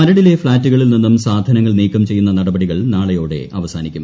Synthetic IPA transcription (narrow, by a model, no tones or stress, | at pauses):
mɐɾɐɽile̞fɭaːtːuɣɐɭilninːumsaːd̪ʱɐnɐŋːɐɭniːkːɐmt͡ɕe̞jːunːɐnɐɽɐbɐɽiɣɐɭnaːɭɐjoːɽe̞̰ʔɐʋɐsaːnikʲːum